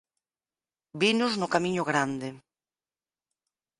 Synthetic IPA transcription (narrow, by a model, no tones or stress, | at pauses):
binʊznʊkamiɲʊɣɾand̪ɪ